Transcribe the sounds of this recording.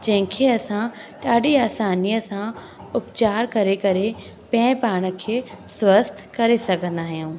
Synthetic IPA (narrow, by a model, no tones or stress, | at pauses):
d͡ʑɐ̃ɦɪ̃kʰeɐsãʈaːɖiaːsaːnijəsã | ʊpt͡ɕaːɾkɐɾekɐɾe | pɐ̃ːɪ̃paːɽ̃ə̆kʰeːswəst̪ʰkɐɾesɐɡʱə̃nd̪aːɦijũː